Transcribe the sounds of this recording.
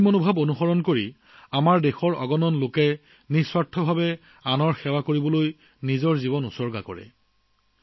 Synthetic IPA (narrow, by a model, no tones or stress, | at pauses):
monubʱabonuxɔɹɔnkoɹi | amaɹdexɔɹɔ̰ɡɔnɔnlokɛ | niswatʰːɔbʱabɛ | anɔɹxɛwakoɹibɔloj | nizɔɹzibɔnusɔɹɡakɔ̰ɹɛ̰